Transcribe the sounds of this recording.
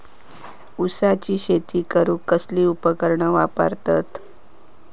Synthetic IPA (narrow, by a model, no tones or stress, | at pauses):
usat͡ɕiːɕet̪iːkəɾuːkəsliːupəkəɾɳəʋapə̰ɾt̪at̪